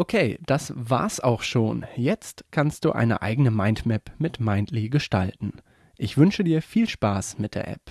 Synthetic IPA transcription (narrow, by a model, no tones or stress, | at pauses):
ʔokʰeːd̥asv̥a̰ːɐsʔa̰ʊxʃoːnjɛt͡stkʰanst̚d̥ṵːʔa̰ɪnə̰ʔa̰ɪɡənəmaɪntmɛpmɪtmaɪntʰliɡəʃta̰ltn̩ | ʔɪçv̥ʏnʃədiːɐfiːlʃpaːsmɪt̚d̥eːɐʔɛ̰p